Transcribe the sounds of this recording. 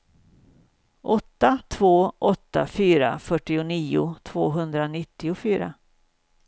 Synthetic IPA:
ʔɔt̪ːat̪ʰvoːʔɔt̪ːa̰fyːɾa̰fœʈːɪʊniːʊt̪ʰvoːɦɵnd̪ɾanɪt̪ːɪʊfyːɾa̰

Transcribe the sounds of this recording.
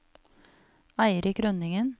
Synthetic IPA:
æɪɾɪkɾœnɪŋən

